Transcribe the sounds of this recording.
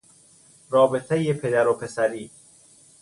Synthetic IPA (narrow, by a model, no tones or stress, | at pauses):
ɾɒːbet̪ʰejepʰe̞d̪æɾopʰe̞sæɾiː